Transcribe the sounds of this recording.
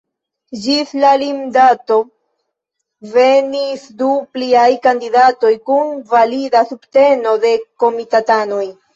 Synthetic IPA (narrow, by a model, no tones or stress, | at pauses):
d͡ʒislalimdato̞ | ve̞nisdupliajkandidato̞jkunvalidasubte̞no̞de̞ko̞mitatano̞j